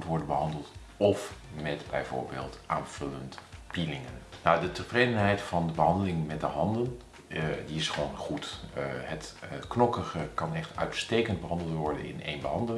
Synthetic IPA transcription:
tʋɔɹdəbəɦɑndəlˠt | ɔfmɛtbɛjvʊ̰ːɹbḛːlˠtʔaːnv̥ɵləntpilɪŋənnawdətəvrejdənɦɛjtfɑndəbəɦɑndəlɪŋmɛt̚dəɦɑndən | diɪsχʋownχutɦətətknɔkəχəkɑnɛχtœ̰ɥtstejkənd̚bəɦɑndəlˠtʋɔɹdə̰nɪ̰nḛjnbəɦɑndəlɪ

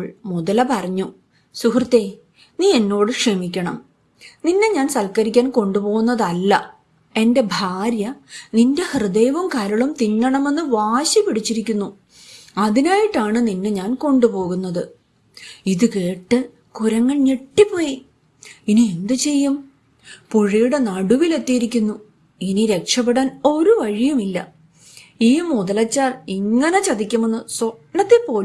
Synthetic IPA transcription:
ɭmuðɐlɐpɐrɐɲːu | suhrɐt̪ːe̞ | niːe̞nːo̞ːɽɨkʂemikʲːɐɳɐ̰m | ninːe̞ɲaːnsɐlkɐɾikʲːaːnko̞ɳɖupo̞ːɣunːɐðɐlːɐ | e̞nde̞bʱaːɾjɐninde̞hrɨd̪e̞ːʋɐmkɐɾɐɭumt̪inːɐɳɐme̞nːɨʋaːɕipiɽit͡ɕːiɾikʲːunːu | ɐðinaːjiʈːaːɳɨninːeɲaːnko̞ɳɖupo̞ːɣunːɐðɨ | iðɨke̞ːʈːɨ | kuɾɐŋːɐɭneʈːipːo̞ːji | inie̞nd̪ɨt͡ɕe̞jːum | puɻijuɽe̞nɐɽuʋile̞t̪ːijiɾikʲːunːu | iniɾe̞kʂɐpːeɽaːno̞ɾuʋɐɻijumilːɐ | iːmuðɐlɐt͡ɕːaːliŋːɐne̞t͡ɕɐd̪ikʲːume̞nːɨsɐʈɳɐt̪ːepːo̞ːl

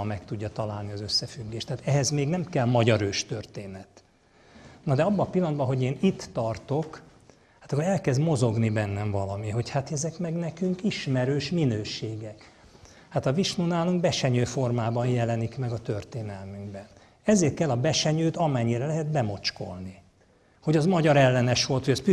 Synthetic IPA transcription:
ɒmɛk̚t̪uɟːɒt̪ɒlaːlniɒzø̞sːɛfyɡːeːʃt̪ːaːt̪ɛɦɛzmeːɡnɛmkɛlmɒɟɒɾøːʃt̪ørt̪eːnɛt̪ | nɒd̪ɛɒbːɒːpilːɒnd̪bɒɦo̞ɟeːnit̪ːɒrt̪o̞k | hat̪ɒkːoɾɛlkɛzd̪mo̞zo̞ɡnibɛnːɛɱvɒlɒmiɦo̞chat̪ɛzɛkmɛɡnɛkyŋkiʃmɛɾøːʃminøːʃeːɡɛk | hat̪ɒviʃnunaːluŋɡbɛʃɛɲøːfo̞rmaːbɒnjɛlɛnikmɛɡɒt̪ørt̪eːnɛlmyŋɡbɛn | ɛzeːrt̪̚kɛlːɒbɛʃɛɲøːt̪ɒmɛɲːiɾɛlɛɦɛd̪̚bɛmo̞t͡ʃko̞̰lni | ho̞ɟɒzmɒɟɒɾɛlːɛnɛʃʋo̞lt̪hoɛspy

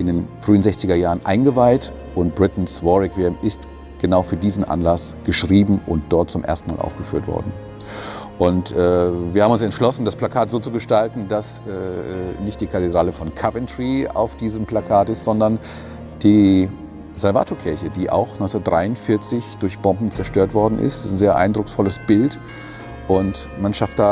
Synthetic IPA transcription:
ʔɪndeːnfʁ̥yːənzɛçt͡sɪɡɐjaːʁənʔa̰ɪnɡəvaɪt | ʔʊnt̚b̥ʁɪtn̩svɔʁɪkv̥eɛmɪst | ɡ̥ənaʊfyːɐdiːzn̩ʔa̰nlasɡ̥əʃʁ̥iːbm̩ʔʊnt̚d̥ɔɐt̚t͡sʊmʔḛɐstn̩ma̰ːlʔa̰ʊfɡ̥əfyːɐtv̥ɔ̰ɐdn̩ | ʔʊntʔɛːviɐhaːbmnʊnsɛntʃlɔsn̩daspl̥akʰaːtz̥oːt͡suɡəʃtaltn̩das | ɛːnɪçt̚d̥iːkʰatedʁaːləfɔnkʰavɛntʁia̰ʊfd̥iːzəmpl̥akʰaːtɪstz̥ɔndɐn | d̥iː | zalva̰ːtʰokʰɪɐçədiːʔa̰ʊxnɔʏnt͡snɐtd̥ʁaɪʊntfɪɐt͡sɪçd̥ʊɐçb̥ɔmbm̩t͡sɛɐʃtøːɐtv̥ɔɐdn̩ʔɪ̰stnzeːɐʔa̰ɪndʁʊksfɔləsb̥ɪlt | ʔʊntmanʃaft̚d̥aː

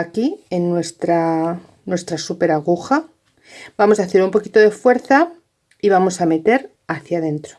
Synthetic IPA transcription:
akienːwe̞st̪ɾa | nwe̞st̪ɾasupe̞ɾaɣ̞uxa | bamo̞saːθeɾumpo̞kit̪o̞ðe̞fwe̞ɾθa | iβamo̞same̞t̪e̞ɾ | aθjað̞e̞nt̪ɾo

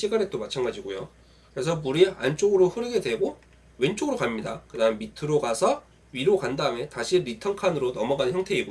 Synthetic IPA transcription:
ɕʰiɡaɾet̚t͈omat͡ɕʰanɡad͡ʑiɡojo | kɯɾe̞s̬ʰʌmuɾia̰nt͡ɕ͈oɡɯɾoɸɯɾɯɡe̞dwe̞ɡo | we̞nt͡ɕ͈oɡɯɾokamɲidakɯdamːitʰɯɾoɡasʰʌ | ɥiɾokandame̞taɕʰiɾitʰʌŋkʰanɯɾonʌmʌɡançjʌŋtʰe̞iɡo

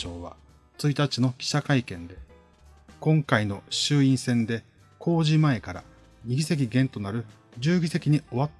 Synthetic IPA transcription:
oːβa̰ | t͡sɨit̪at͡ɕino̞kʲi̥ɕakaikẽ̞nd̪e̞ | kõ̞ŋkaino̞ɕɨːĩɰ̃sẽ̞nd̪e̞ | kʰo̞ːʑimae̞kaɾa̰ | ɲ̟iɡʲise̞k̬ʲiɡẽ̞nt̪o̞naɾɯ̟ | d͡ʑɨːɡʲise̞kʲiɲ̟io̞βat̪ː

